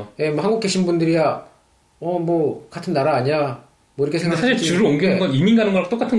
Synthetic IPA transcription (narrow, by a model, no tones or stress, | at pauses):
je̞mwohaŋɡuk͈e̞ɕʰinbundɯɾia | ʌmwʌkatʰɯnːaɾaːɲiɲa | mwʌiɾʌkʰesʰeɡʰaɕʰiɭt͡ɕɯɾɯʌŋɡinɯɡʌniminɡanɯnɡʌkot͈ok͈atʰɯn